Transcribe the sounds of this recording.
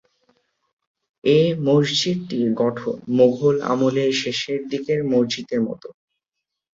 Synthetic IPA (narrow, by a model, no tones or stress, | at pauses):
emoʃd͡ʑid̪̚ʈiɡɔʈʰo̰moɡʱola̰moleʃeʃeɾd̪ikeɾmoɾd͡ʑit̪eɾmɔ̰t̪o